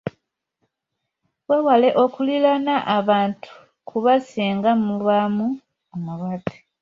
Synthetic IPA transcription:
wewale̞ʔo̞kulilanaʔaβaːntʰu̥ | kʰuβasiːŋɡamuβamu | omuβatʰe̥

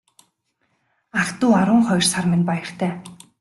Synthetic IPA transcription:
akt̪uːaɾʊːŋχɔj̆rsarmɪnpajɪ̆r̥t̪ʰæː

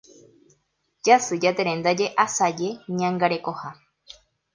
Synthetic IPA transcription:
d͡ʒasɨd͡ʒat̪eɾẽnd̪ad͡ʒe̞ʔasad͡ʒe̞ɲãŋɡaɾe̞koha

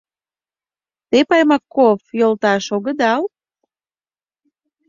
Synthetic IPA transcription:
t̪epɑjmɑkːofjolt̪ɑʃoɣə̆d̪ɑl

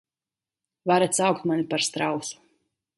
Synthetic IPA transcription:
vaɾat̪sawkt̪manʲipaɾst̪ɾawsu̥

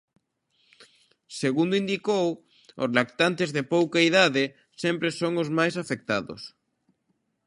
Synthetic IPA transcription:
seɣund̪oind̪ikow | o̰zlak̚t̪ant̪ezðepowkaiðaðe | sempɾesoŋozmajsafek̚t̪aðo̰s

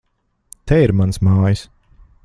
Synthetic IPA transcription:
t̪ʰɛiɾmansmaːjis

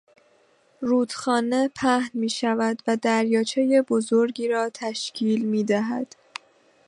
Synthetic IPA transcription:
ruːd̪̥xɒːne̞pʰæhnmiːʃævæd̪væd̪æɾjɒːt͡ʃʰe̞je̞bo̞zo̞ɾɟiːɾɒːt̪ʰæʃcʰiːlmiːd̪æɦæ̰d̪̥

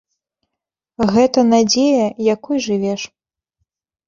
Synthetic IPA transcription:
ɣɛt̪ɐnad͡zʲejɐjakujʐɨvʲɛʂ

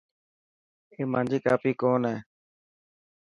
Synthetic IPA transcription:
eːmãːnd͡ʒiːkaːpiːkoːnɛː

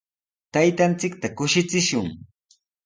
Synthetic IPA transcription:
t̪ajt̪ant͡sɪk̚t̪akʊʃɪt͡sɪʃʊŋ

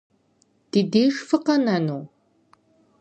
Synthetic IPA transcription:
d̥ideːʒfɨqɐnɐnuː

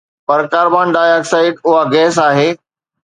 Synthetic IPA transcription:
pɐɾkaːɾbaːnɖaːɪaːksaːɪʈʊɦaɡɛːs̬aːɦeː

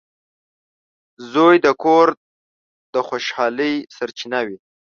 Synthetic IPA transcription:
zojd̪əkoɾ | d̪̥əxoʃhɑləjsaɾt͡ʃinawi

